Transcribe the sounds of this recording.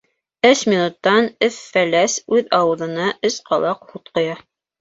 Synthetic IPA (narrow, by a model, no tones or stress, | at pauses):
ɘʃmʲinut̪ːɑnɘfːælæsʉðɑwɤ̆ðɤ̆nɑʔɘsqɑlˠɑqhut̪̚qŏjɑ